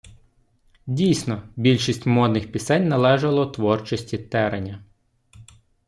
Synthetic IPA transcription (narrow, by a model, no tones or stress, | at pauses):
dʲijsʲnɔbʲilʲʃisʲtʲmɔd̪nɪxpʲisɛnʲnɐlˠɛʒɐlˠɔt̪ʋɔrt͡ʃɔsʲtʲit̪ɛɾenʲːɐ